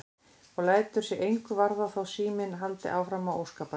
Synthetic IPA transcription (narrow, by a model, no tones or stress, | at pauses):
ɔɣlaːjt̪ʏɾ̥sjɛʔejŋkʏvaɾðaθawsiːmɪnɦalt̪ɪ̰ʔaːwfɾamawʔowskaːpa